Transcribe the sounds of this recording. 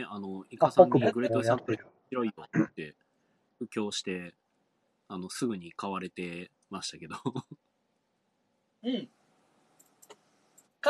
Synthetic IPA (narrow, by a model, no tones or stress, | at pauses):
neʔano̞ikasãɲːiɡɯ̟ɾet̪ːosãmpɯçiɾo̞iot̪ːe̞ | ɸɯ̟kʲo̞ːɕi̥t̪e̞ | ano̞sɨɡɯ̟ɲ̟ikaβaɾe̞t̪e̞ | maɕi̥t̪ake̞d̪o | ɯ̃ɴ | k